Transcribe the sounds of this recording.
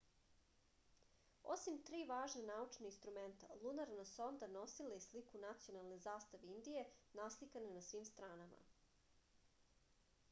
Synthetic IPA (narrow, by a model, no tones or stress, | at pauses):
o̰simt̪ɾiːʋaːʒnanaut͡ʃnainst̪ɾument̪a̰lˠunaɾnaso̞nd̪ano̞silajeslikunat̪sijo̞nalˠnezaːst̪aʋeind̪ije̞naslikanenasʋiːmst̪ɾaːnama̰